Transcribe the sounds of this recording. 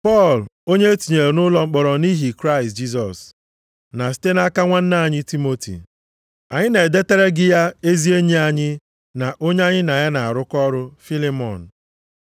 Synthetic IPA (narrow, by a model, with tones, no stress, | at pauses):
pɔ˦˨lo˦ɲe˦e˦ti˨ɲe˨ɾe˨nʊ˦lɔ˦ŋ͡m̩˦k͡pɔ˨ɾɔ˨ni˦ɦi˨kɾa˦ɪ˨st̚d͡ʒi˦s̬ɔ˨s | na˨si̥˨˦te˦na˦ka˦ŋʷa˦n̩˦na˦˨ɲɪ˦ti˦mo˦tḭ˨ | a˨ɲɪ˦ne˨de˦te˦ɾe˦ɡɪ˦ja˦e˦zi˦e˦ɲe˦a˨ɲɪ˦ | na˨ʔo˦ɲ˦a˦ɲɪ˦na˨ja˦na˨a˨ɾʊ˦kɔ˦ɾʊ˦fi˦li˦mɔ̰˨n̩˨